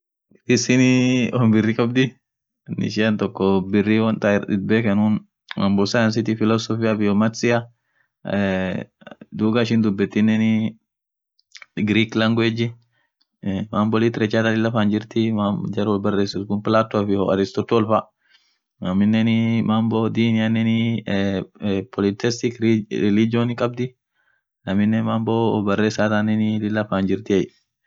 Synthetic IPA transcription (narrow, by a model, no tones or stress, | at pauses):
ɪsɪnɔmbɪrːikʼɐbd̪ɪ | nːɪ̰ʃɪɐnt̪ɔkːɔbɪrːiwɐnt̪aᶑɪ̰d̪̚bekɐnun | mʔɐmbɔlsajɐns̬ɪt̪ɪfɪlɔsɔfijabɪjɔmɐt̪sɪa | d̪uːɡaʃɪnd̪ʊbːɛt̪ːɪnːɛnɪ | ɡɾiːklɐŋɡʊed͡ʒɪ | maːmbɔlɪt̪ɪɾɛt͡ʃːaːt̪alɪlːɐfaːnd͡ʒɪɾt̪ɪmad͡ʒɐɾwɔlbɐreːsɪskʊnpɪlaːt̪ːofɪhɔɐ̰ɾɪst̪ɔt̪ːʊɔlfa | nɐmːɪnːɛnɪmambod̪iːnɪjanɛnɪ | pʰɔlɪt̪ɛst̪ɪkɾɾɛlɪd͡ʒonɪkʼɐb̚d̪ɪ | nɐmːɪnːɛmaːmboːbɐrːeːsːaːt̪anɛnɪlɪlːɐfaːnd͡ʒɪɾt̪ɪɐj